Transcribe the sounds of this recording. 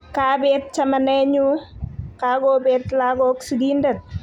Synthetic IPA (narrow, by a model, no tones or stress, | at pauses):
kabet̚t͡ʃɐmɐneɲukaɡobet̪laɡɔksiɡindɐt̚